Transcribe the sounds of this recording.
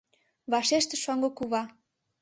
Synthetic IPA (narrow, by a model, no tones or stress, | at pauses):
βɑʃeʃt̪ĕʃoŋɡokuβɑ